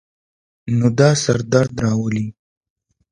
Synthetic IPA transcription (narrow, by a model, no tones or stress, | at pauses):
nod̪ɑsaɾd̪aɾd̪ɾɑwəli